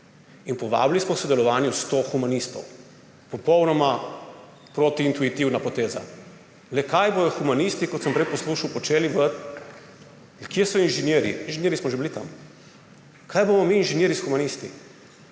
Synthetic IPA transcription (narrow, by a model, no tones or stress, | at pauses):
inpɔʋa̰ːblismɔwsɔd̪ɛlɔʋaːnjust̪oxumanist̪ɔ̰w | pɔpɔwnɔma | pɾot̪iːnt̪uit̪iwnapɔt̪eːza̰ | lɛkajbod̪ɔxumanist̪ikɔt̪səmpɾɛjpɔsluʃawpɔt͡ʃeːliʋə | kiɛsɔinʒɛnjeːɾḭinʒenʲjeːɾismɔʒebilit̪a̰m | kʰaːjbomɔmiːnʒenjeːɾisxumanist̪ḭ